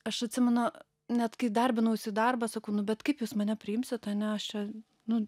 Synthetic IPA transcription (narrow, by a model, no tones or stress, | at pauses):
ɐʃɐt̪ʲsʲɪmʲɛnʊ | nʲɛt̪kɐɪd̪ɐrʲbʲɪnɐʊɪsʲɪd̪ɐrbɑsɐkɐʊnʊbʲɛt̪kɐɪpjuːsmɐnʲɛpʲɾʲɪɪmʲsʲɪt̪ɐnʲɛɐʃt͡ʃʲɛ | nʊ